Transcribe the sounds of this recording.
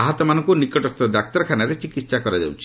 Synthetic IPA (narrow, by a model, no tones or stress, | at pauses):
aɦɔt̪ɔmanɔŋkunikɔʈɔst̪ɔd̪ak̚t̪ɔɾɔkʰanaɾet͡ʃikit̪sakɔɾad͡ʒa̰wt͡ʃʰi̥